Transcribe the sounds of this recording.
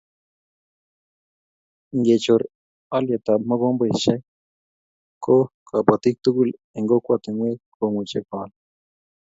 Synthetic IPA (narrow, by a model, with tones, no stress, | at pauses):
ŋɡe˨t͡ʃo˨ɾ | a˦lje˨t̪a˨mə˦ɡo˦mbə˨ʃa˦j | ko˦kʰa˨pa˨t̪i˦k̚t̪u˦ku˨l | e˨ŋɡo˦kʷa˨t̪e˨ŋwe˦kʰo˨ŋu˨t͡ʃe˦pa˨l